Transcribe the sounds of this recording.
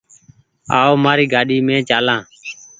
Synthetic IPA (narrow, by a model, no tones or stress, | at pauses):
a̰ːoːmaːɾiːɡaːɗiːmẽːt͡ʃaːlãː